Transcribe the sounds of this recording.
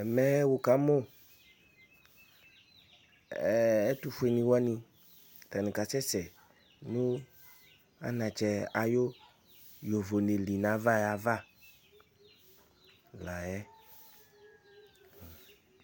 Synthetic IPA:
mɛ˦wo˨ka˨˦mɔ˦˨ | ɛ˦tu˧fu˦e˨nĩ˧wa˦nĩ˧˨ | t̪a˨nĩ˨ka˨sɛ˦sɛ˨ | nũ˦ | a̰˦nã˨t͡ʃɛ˨a˨jo˦ | jo˨vo˨ne˨li˨nã˨˦va˦ja˨va˦˨ | la˨jɛ˦˨

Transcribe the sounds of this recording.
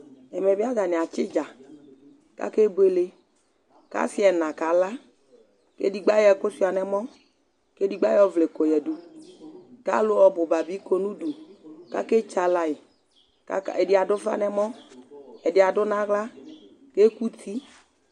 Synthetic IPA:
ɛ˨mɛ˨bɪ˦a˦ɡa˨nɪ˨a˨t͡ʃɪ˦d͡ʒa˨ | ka̰˦ke˦be˦le˦ | ka̰˦sɪ˦ɛ˨nã˨ka˨˦la˦ | kḛ˦di˨ɡ͡ba˦jɛ˨kʊ˦si˦˨a˨nɛ˨mɔ˦ | ke˦di˨ɡ͡ba˦jɔ˦vle˨ko˨jɛ˨du˨ | ka̰˦lʊ˦ɔ˨bʊ˨ba˨bi˦ko˦nũ˦du˨ka̰˦ke˦t͡ʃa˨la˨ɪ˨ | ka̰˦˨ɛ˨dɪ˨˦a˨dʊ˦va̰˦nɛ˨mɔ˦ | ɛ˨dɪ˨a˨dʊ˦nã˦ɣla˦ | ke˦ku˦t̪ʰi˦

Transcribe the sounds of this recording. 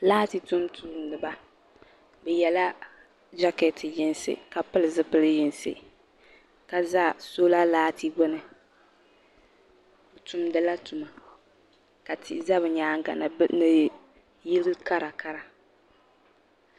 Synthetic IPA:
laː˦ti˨tu˦mtʰu˨˦mnɨ˨ba˨ | bɛ˨jɛ˨la˦ | d͡ʒa˦kɛ˨tʰi˨jɪ˦nsɨ̰˦˨ka˨pɨ˦lɨ˨zɨ˦pɨ˦lɨ˦jɪ˨nsɨ̰˦ | ka˨za˦˨so˦la˦laː˦tʰi˦ɡɔ˦nɨ˨ | tʊ˦mdɨ˦la˦tu˨ma˨ | ka˨ti˦˨˦za˦βɨ˨ɲaː˦ŋ˦ɡa̰˨n˨bnɨ˨ | ji˦lɨ˦ka˦ɾa˨ka˦ɾa˨

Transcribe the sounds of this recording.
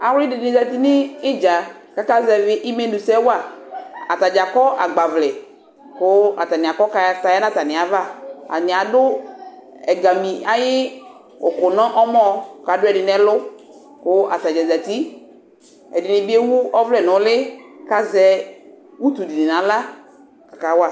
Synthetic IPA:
a˨wɪ˦dɪ˨dɪ˨nɪ̃˨za˨ti˦nɪ˦ɪ˦d͡ʒa˨ka˦ka˦zɛ˨vɪ˦ʔɪ˦me˦dʊ˨sɛ˦wa˦˨a˨ta˨d͡ʒa˨kɔ˦ʔa˨ɡ͡ba˨vlɛ˨ | kʊ˦a˨ta˨nɪ˨a˨kɔ˦ka˨˦ta˨˦ja˦nã˦ta˨nɪ˨a˨va˦a̰˨nɪ˨a˨dʊ˦ | ɛ˨ɡa˨mi˨a˨jɪ˦ | ʊ˨kʊ˨nɔ̃˦ʔɔ˦mɔ˦˨ka˨dʊ˦ɛ˨dɪ˨nɛ˦lʊ˦ | kʊ˦ʔa˨ta˨d͡ʒɛ˨za˨t̪i˦ | ɛ̰˨dɪ˨nɪ˨bi˦e˦wu˦ɔ˦vlɛ˨nʊ̃˨˦lɪ˦ka˨zɛ˦ | wu˦t̪u˨di˨nɪ˨nã˨˦la˦ | ka˨ka˨˦wa˦˨

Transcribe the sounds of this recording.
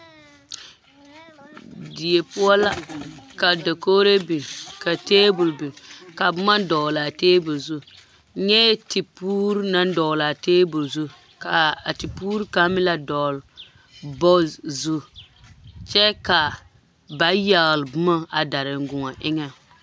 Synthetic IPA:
di˨je˨pʊ˦a˦la˦ka˨da˨ko˦ɾe˦bi˨ka˨teː˦bʊ˨lbɪ˨ka˨bʊ˦ma˦dɔ˨la˨teː˦bʊ˨zʊ˦ | ɲɛ˦ti˨puː˦ɾna˦n˦dɔ˨la˨teː˦bʊ˨lzʊ˦ | ka˨a˨ti˨puː˦ɾka˦mɪ˦la˦dɔ˨l | bɔ˦zʊ˦ | t͡ʃɛ˦ka˨ | ba˦ja˨ɣlbʊ˦ma˦a˨da˨ɾɪ˨ŋ̩˦ɡʊ˨ŋa˨ʔɪ˦ŋɛ˨

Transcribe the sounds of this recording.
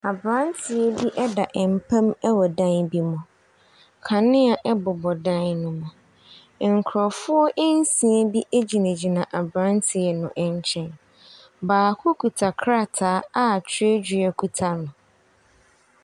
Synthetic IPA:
a˨bɾã˦n˦tʰɪ˨ɛ˦bi˦ʔɛ˦da˨ʔɛ˨m˨pʰã˦mɛ˦wɔ˨dã˦nbi˦mʊ̃˨ | kʰã˨nɪ̃˦a˨ʔɛ˦bʊ˨bɔ˨dã˦nnʊ̃˨mʊ̃˨ | ŋ̩˨kʰʊ˨ɾɔ˨fʊ˦ɔ˦ʔe˦n̩˦sĩ˨e˦bi˦ʔe˦d͡ʑi˨næ̃˨d͡ʑi˨nã˨ʔa˨bɾã˦n˦tʰɪ˨ɛ˨nʊ̃˨ʔɛ˦ɲ˦t͡ɕʰɛ̃˦n | baː˨kʰʊ˦kʰu˨tʰa˨kʰɾa˦˨tʰaː˦a˦˨t͡ɕʰe˦d͡ʑɥɛ˦kʰu˨tʰa˦nʊ̃˨

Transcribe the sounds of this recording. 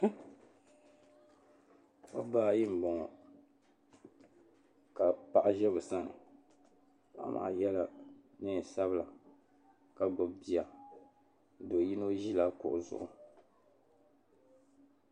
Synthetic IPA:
o˦baː˦˨ji˦m̩˨bɔ˨ŋɔ˨ | ka˨pa˨ʔa˦ʒɛ˦βɨ˨sa˦nɨ̰˨ | ba̰˦ma̰˨jɛ˦la˦nɨ˦˨sa˦βɨ˦la˨ | ka˨ɡ͡bʊ˨bbi˦a˨ | do˨ji˦no˦ʒi˦la˦kʊ̰˨ʔʊ˨zʊ̰˨ʔʊ̰˨

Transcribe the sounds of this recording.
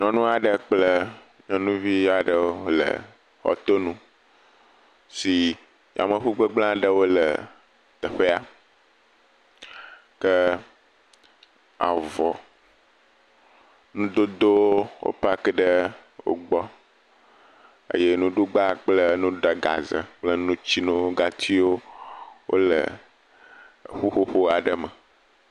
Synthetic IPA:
ɲɔ̃˨nũ˦a˨ɖə˨k͡plə˦ | ɲɔ̃˨nũ˦vi˦a˨ɖə˨wo˦o˦lə̰˨ | xɔ̰˨t̪o˦nũ˦ | si˨ | a̰˨mə˨ɸu˦ɡ͡bə˦ɡ͡blã˦ɖə˦wo˦lə˨ | t̪ə˨ɸe˦a˨ | kə˦ | a̰˨vɔ˨ | nũ˦d̪o˦d̪o˦wwo̰˦pa˦kə˦ɖə˦wo̰˦ɡ͡bɔ˦ | ə̰˦je˦nũ˦ɖu˦ɡ͡ba˦k͡plə˦nũ˦ɖə˨ɡa̰˨zə̰˨k͡plə˦nũ˦t͡ɕi˦nõ˦ɡa˦˨t̪ʰi˦wo˦wʔo̰˦lə̰˨ | ɸu˦ɸo˦ɸo˦a˨ɖə˦mə˨

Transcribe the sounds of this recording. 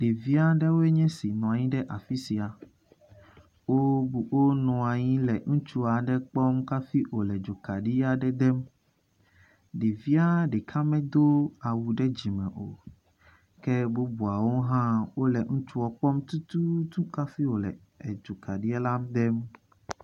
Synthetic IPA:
ɖe˨vi˦a˦ɖɛ˦wo˦ɛ˦ɲɛ̃˦si˨nɔ̃˨a˨ɲĩ˦ɖɛ˦ʔa˨fi˦si˨a˨ | wo˦bu˨wo˦nɔ̃˨a˨ɲĩ˦lɛ˨ŋũ˦t͡ʃu˦a˨ɖɛ˦k͡pɔ˦mka˦fi˦ʔo˨lɛ˨d͡ʒo˨ka˨ɖi˦a˨ɖɛ˦d̪ɛ˦m | ɖi˨vi˦a˦ɖɛ˨kʰa˦mɛ̃˦d̪o˦a˨wu˨ɖɛ˦d͡ʑi˨mɛ̃˨ʔo̰˨ | kɛ˦bo˦bu˨a˨wo˦ɦã˦wo˦lɛ˨ŋũ˦t͡ʃu˦wɔ˨k͡pɔ˦mt̪u˦t̪u˦t̪ũ˦ka˦fi˦wo˨lɛ̰˨ | ɛ˨d͡ʒo˨ka˨ɖi˦ɛ˦la˦md̪ɛ˦m

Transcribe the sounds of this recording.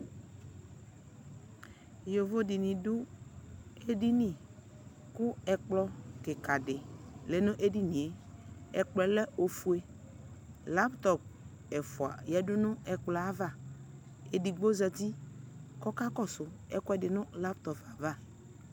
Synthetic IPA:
jo˨vo˦di˨nĩ˨ɖʊ˦ | e˦di˦nĩ˨ | kʊ˦ɛ˨k͡plɔ˦ke˨ka˨ɖɪ˨le˨nʊ̃˦ʔe˦di˦nĩ˨e˨ɛ˨k͡plɔ˨lɛ˦o˨fu˦e˦ | la˦pt̪ɔ˨p̚ | ɛ˨fu˨a̰˨jɛ˦ɖʊ˦nʊ̃˦ɛ˨k͡plɔ˨a˦va˦˨ | e˨di˨ɡ͡bo˦zɛ˨d̪i˦kɔ˦ka˦kɔ˦sʊ˨ɛ˦kɔ˦ɛ˦dɪ˨nʊ̃˦la˦pt̪ɔ˨pa˨va˦˨

